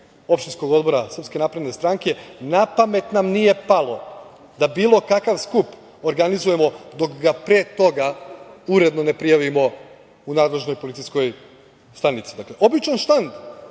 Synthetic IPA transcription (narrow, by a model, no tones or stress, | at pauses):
o̞pʃt̪insko̞ɡo̞d̪bo̞ɾasr̩pske̞napɾe̞d̪ne̞st̪ɾaŋke̞napame̞t̪namnije̞palo̞ | d̪abiːlˠo̞kakaʋskup | oɾɡanizuje̞mo̞d̪o̞kɡapɾeːt̪o̞ɡauɾe̞d̪none̞pɾijaʋimo̞ | unaːd̪le̞ʒnojpolit̪sijsko̞j | st̪anit̪si̥d̪akle̞ʔo̞bit͡ʃanʃt̪and̪